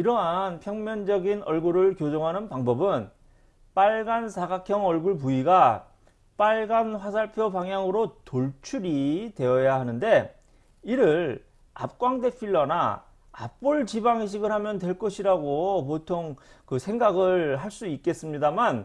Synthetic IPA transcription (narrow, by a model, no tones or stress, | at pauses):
iɾʌɦanpʰjʌŋmjʌnd͡ʑʌɡinʌɭɡuɾɯɭkjod͡ʑʌŋɦanɯnpaŋbʌbɯn | p͈aɭɡansʰaɡakʰjʌŋʌɭɡuɭp̬uiɡa | p͈aɭɡanɸwasʰaɭpʰjopaŋɦjaŋɯɾotoɭt͡ɕʰuɾitwe̞ʌjaɦanɯnde̞ | iɾɯɭ | a̰p̚k͈waŋde̞pʰiɭːʌna | a̰p͈uɭt͡ɕibaŋiɕ̬ʰiɡɯɭhamjʌntwe̞ɭk͈ʌɕʰiɾaɡopotʰoŋkɯsʰe̞ŋɡaɡɯɭɦaɭs͈uik͈e̞s͈ɯmɲidaman